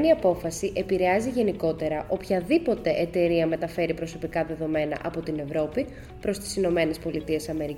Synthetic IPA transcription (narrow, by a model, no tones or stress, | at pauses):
niɐpo̞fɐsiʔe̞piɾeɐziʝe̞niko̞t̪e̞ɾɐʔo̞pçɐðipo̞t̪e̞ʔet̪e̞ɾiɐme̞t̪ɐfe̞ɾipɾo̞so̞pikɐðe̞ðo̞me̞nɐ̰ʔɐpo̞t̪ine̞vɾo̞pi | pɾo̞st̪i̥sino̞me̞ne̞spo̞lit̪ie̞sɐme̞ɾi